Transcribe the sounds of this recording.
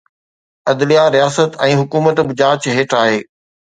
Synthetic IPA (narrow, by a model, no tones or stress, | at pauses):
ɐd̪lijaɾijaːsət̪ɛ̃ːɦʊkuːmət̪bɪd͡ʑaːt͡ɕɦeːʈaːɦeː